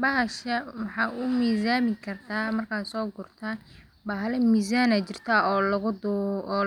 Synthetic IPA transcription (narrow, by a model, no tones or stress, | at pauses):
bɐɦɐʃɐwɑħɑːʊmiːsaːmɪkʰɐrt̪ʰaːmɐrkʰaːsɔːɡʊrt̪ʰaː | baːɦɐlɛmiːsaːnɐt͡ʃɪrt̪ʰaːɔlʊd̪